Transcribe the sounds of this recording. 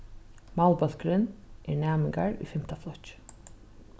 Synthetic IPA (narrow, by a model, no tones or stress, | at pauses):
mawlˠbœl̥kɾɪnʔɛɹnæːmɪŋka̰ɹʊ̰jfɪm̥t̪aflˠɔt͡ʃ